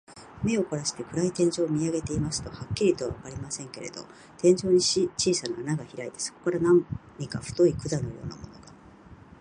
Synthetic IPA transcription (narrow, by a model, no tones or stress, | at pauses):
me̞o̞ko̞ɾaɕi̥t̪e̞kɯ̟ɾait̪ẽ̞ɲ̟d͡ʑo̞ːmʲiaɡe̞t̪e̞imasɨ̥t̪o̞hakʲːiɾʲit̪o̞βa̰βakaɾʲimasẽ̞ŋke̞ɾe̞̰d̪o̞̰ | t̪ẽ̞ɲ̟d͡ʑo̞ːɲ̟it͡ɕiːsanaːnaɡaçiɾait̪e̞̥so̞̥ko̞kaɾanãnɲikaɸɯ̥t̪o̞ikɯ̟d̪ano̞jo̞̰ːna̰mo̞̰no̞ɡa